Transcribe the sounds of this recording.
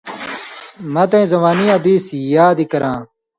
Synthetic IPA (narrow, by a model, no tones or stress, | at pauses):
mɐt̪ẽzɐmaːniɐd̪iːsijaːd̪ikɐɾãː